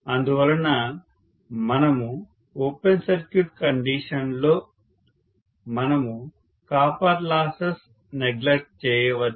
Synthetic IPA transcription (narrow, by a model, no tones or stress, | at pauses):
ɐnd̪uʋɐlɐnɐ | mɐnɐmu | oːpensɐɾkjuʈkɐɳɖiːʂɐnloː | mɐnɐmu | kaːpaːɾlaːsɐs | neɡlek̚ʈ̚t͡ʃɛːjɐʋɐd̪